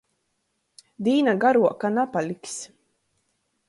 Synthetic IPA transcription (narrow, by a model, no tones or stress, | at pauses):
d̪iːnaɡaɾuɔkanapalʲiks